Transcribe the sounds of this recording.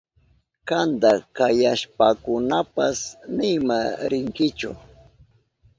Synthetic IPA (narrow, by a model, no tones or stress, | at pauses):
kand̪akajaʃpakʊnapasnɪmaɾɪŋkɪt͡ʃʊ̰